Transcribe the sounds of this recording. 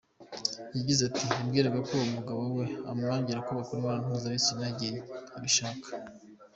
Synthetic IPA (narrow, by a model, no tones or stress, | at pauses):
jaɟizatiibɡiːɾeɡakoumuɡaβowe̞amaːɲɟiɾakuβakuɾwaːnan̥huzaβisinaɟijiβiʃaːkḁ